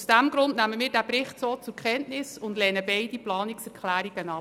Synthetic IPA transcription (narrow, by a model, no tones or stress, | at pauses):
sd̥æmɡ̥ɾʊndnæməmɪːɾdæpɾɪχtsoːt͡sʊɾkχɛntnɪsʊndlɛːnəbɛɪd̥iplɑːniksɛɾkχlæːɾiɡ̥ənɑ